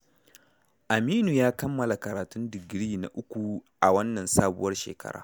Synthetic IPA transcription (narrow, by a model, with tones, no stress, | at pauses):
ʔa˨miː˦nu˨jaː˦kɐ˦mːɐ˨la˨kɐ˨ɾaː˨tʊ˦ndɪ˨ɡɾiː˦na̰˨ʔʊ˦kʷu˨ʔa˨wɐ˦nːɐ˨nsaː˦bʊ̰˦wɐ˦rʃḛː˨kɐ̰˦ɽa̰ː˦